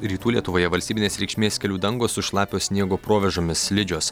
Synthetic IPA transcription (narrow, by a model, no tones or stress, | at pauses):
ɾʲiːt̪uːlʲiɛt̪ʊʋoːjɛʋɐlʲsʲt̪ʲibʲɪnʲeːsɾʲɛɪkʃʲmʲeːsʲkʲɛlʲuːd̪ɐŋɡoːsʊʃlˠɑːpʲoːsʲnʲiɛɡoːpɾoːʋʲɛʒoːmʲɪslʲɪd͡ʒʲoːs